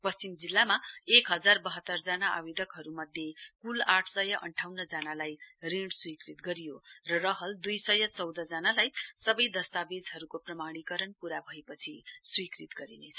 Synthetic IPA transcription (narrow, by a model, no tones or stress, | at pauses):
pʌst͡simd͡zilːamaekɦʌd͡zarbʌɦʌt̪ːʌrd͡zanaʔa̰wid̪ʌkɦʌɾumʌd̪ʱjekulaʈʰsʌjʌʔʌ̰ɳʈʰawnʌd͡zanalajriɳɽswikrit̪̚ɡʌɾijorʌrʌɦʌld̪ujsʌjʌt͡sʌwd̪ʌd͡zanalajsʌbʌjd̪ʌst̪abed͡zɦʌɾukoprʌmaɽ̃ikʌɾʌnpuɾabʱʌepʌt͡sʰiswikrit̪ɡʌɾinet͡sʰʌ